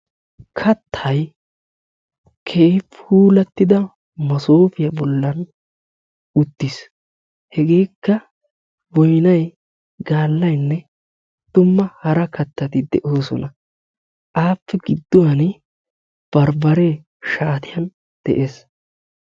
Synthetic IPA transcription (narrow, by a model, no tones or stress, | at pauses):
kʰɐt̪ʰːɐj | kʰeːpuːlɐt̪ːɪd̪ɐ | mɐsoːfɪjɐbɔlːɐn | ʊt̪ːɪs | hɛɡe̞ːkːɐ | wɔjnɐj | ɡaːlːɐjnːɛ | d̪̥ʊmːɐhɐɾɐkɐt̪ːɐt̪ɪd̪ɛʔo̞ːsɔ̰nɐ | ʔaːpːɛɡɪd̪ːɔwɐn | b̥ɐɾbɐɾe | ʃaːt̪ɪjɐn | d̪̥ɛ̰ʔeːs